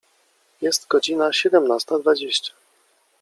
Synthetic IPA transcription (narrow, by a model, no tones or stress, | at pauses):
jɛst̪ɡɔd͡ʑinaɕɛd̪ɛmnast̪ad̪vad͡ʑeɕt͡ɕḁ